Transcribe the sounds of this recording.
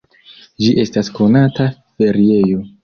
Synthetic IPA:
d͡ʒiʔe̞stasko̞nata | fe̞ɾie̞jo̞

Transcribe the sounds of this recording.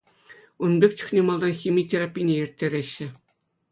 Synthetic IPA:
unbʲek̚ʲt͡ɕŭ̥χxnʲemɑlˠd̪ɑnxʲimʲitʲerapʲːinʲeirʲtʲːeɾʲeɕːɘ̆

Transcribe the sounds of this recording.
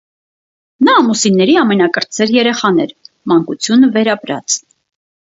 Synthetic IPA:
nɑːmusinːɛɾiɑmɛnɑkəɾt͡sɛɾjɛɾɛχɑn̪ɛɾ | mɑŋkut͡sʰjunəvɛɾɑpɾɑ̰t͡s

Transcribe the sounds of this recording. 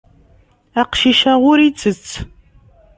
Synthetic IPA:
aqʃiʃaʁʷʊɾit͡sʼɨt͡sʰ

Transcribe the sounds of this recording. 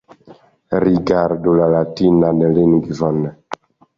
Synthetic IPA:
ɾiɡaɾdolalatinanɛlinɡivɔnɛ

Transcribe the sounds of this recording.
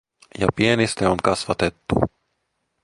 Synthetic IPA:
ja̰piɛnist̪ɛunkasvat̪ɛt̪ːṵ

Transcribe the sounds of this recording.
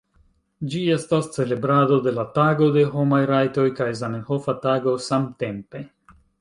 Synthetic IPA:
d͡ʒie̞stast͡se̞le̞bɾado̞de̞lataɡo̞de̞ɦo̞majɾajto̞jkajzanenhofataɡo̞samte̞mpe̞

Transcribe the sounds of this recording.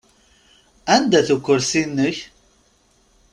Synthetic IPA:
ænd̪æθukʷːəɾsinːəç

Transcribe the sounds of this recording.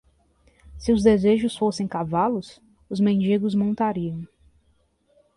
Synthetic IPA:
sɪʊzd̪ezeʒʊsfosẽj̃kavalʊs | ʊzmẽnd͡ʒiɡʊzmõnt̪aɾiɐ̃w̃

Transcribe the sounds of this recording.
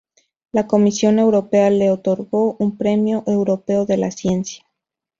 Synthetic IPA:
lako̞misjo̞ne̞wɾo̞pe̞ale̞ot̪o̞ɾɣo̞ʔumpɾe̞mjo̞ʔe̞wɾo̞pe̞oðe̞lasje̞nsjḁ

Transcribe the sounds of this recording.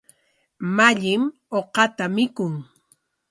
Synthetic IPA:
maʎɪm | oqɑt̪amɪkʊŋ

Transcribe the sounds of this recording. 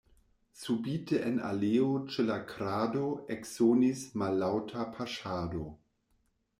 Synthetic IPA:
subiːtʰəʔena̰leːot͡ʃelakʰɾaːdoeksonismalːawtʰapʰaʃaːdo

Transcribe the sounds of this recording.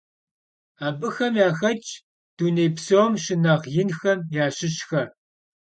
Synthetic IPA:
aːbɨxɐmjaːxɐt͡ʃʼ | d̥uːneːjpsomʃɪnɐʁjɪnxɐmjaːɕɪɕxɐ

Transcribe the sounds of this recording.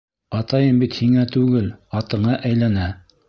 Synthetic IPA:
ɑt̪ɑjɤmbit̪hiŋæt̪ʉɡɘlɑt̪ɤ̆ɴɑʔæjlænæ

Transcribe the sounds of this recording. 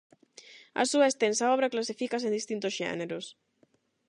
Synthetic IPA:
ɐ̰suaest̪ensaɔβ̞ɾaklasifikas̬ẽnd̪ist̪ĩnt̪osʃḛneɾos

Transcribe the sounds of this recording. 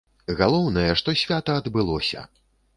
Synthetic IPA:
ɣalˠɔwnɐjɛʂt̪ɔsʲvʲat̪ɐːd̪bɨlˠɔsʲɐ̰

